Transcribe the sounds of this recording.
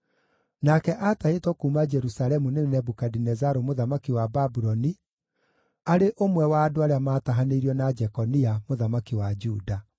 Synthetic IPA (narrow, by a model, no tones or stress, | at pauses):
nakɛʔataetwɔkumad͡ʒɛɾusaɾɛmunenɛbukadinɛzaɾomoðamakiwababuɾɔni | aɾeʔomwɛwaːdoaɾeamaːtaɦaneiɾiɔnad͡ʒɛkɔniamoðamakiwad͡ʒuda